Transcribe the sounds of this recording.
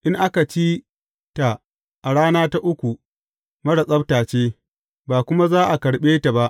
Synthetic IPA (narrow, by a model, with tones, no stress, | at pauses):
ʔɪ˦ŋʔa˦ka˨t͡ʃiː˦ | ta˨ | ʔa˨ɽaː˦naː˦ta˦ʔʊ˦kʷu˨ | mɐ˦ɽa˨sʼɐ˦btaː˨t͡ʃeː˦ | baː˨kʷʊ˦ma˦zaː˦ʔa˨kɐ˨ɽɓeː˦ta˨ba˦ʔ